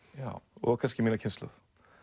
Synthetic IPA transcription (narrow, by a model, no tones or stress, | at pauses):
jaɔ̰ɣkʰanscɪmiːnacʰɪnst̪lœ̰ð̥